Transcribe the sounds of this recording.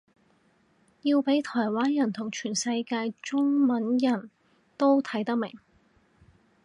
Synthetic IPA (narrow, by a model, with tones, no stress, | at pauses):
jiː˧wpe˨˥jt̪ʰɔː˨˩jwaː˥njɐ˨˩nt̪ʰʊ˨˩ŋt͡ʃʰyː˨˩nsɐ˧jkaː˧jt͡ʃʊ˥ŋmɐ˨˥njɐ˨˩n | t̪o˥wt̪ʰɐ˨˥jt̪ɐ˥k̚mɪ˨˩ŋ